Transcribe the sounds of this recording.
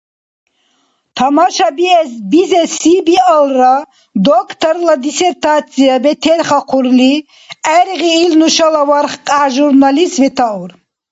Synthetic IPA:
t̪ʰamaʃabiɛsbizɛsibialɾa | d̪ɔkʰt̪ʰəɾlad̪isɛɾt̪ʰasʰiabɛt̪ʰɛɾχaqʰuɾli | ɛɾʁiːlnuʃalavaɾχqʼaʒuɾnalisvɛt̪ʰauɾ

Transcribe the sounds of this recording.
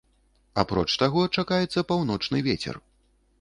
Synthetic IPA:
a̰pɾɔ̰t͡ʂt̪aɣɔt͡ʂakajɛt̪sːɐpawn̪ɔt͡ʂnɨvʲet͡sʲɛ̰r

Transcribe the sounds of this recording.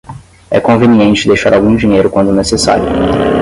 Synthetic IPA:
ɛ̰kõveniẽnt͡ʃɪd̪ejʃaɾawɡũd͡ʒĩɲejɾʊkwɐ̃nd̪ʊnesesa̰ɾjʊ

